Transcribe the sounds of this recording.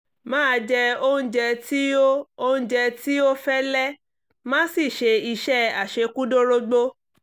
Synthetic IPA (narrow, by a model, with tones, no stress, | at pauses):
mãː˦˧d͡ʒɛ˧o˦ũ˦d͡ʒɛ˧ti˦o˦o˦ũ˦d͡ʒɛ˧ti˦o˦fɛ˦lɛ˦ | mã˦si˦˨ʃe˧i˧ʃɛ˦a˨ʃe˧˦ku˦do˦ɾo˦ɡ͡bo˦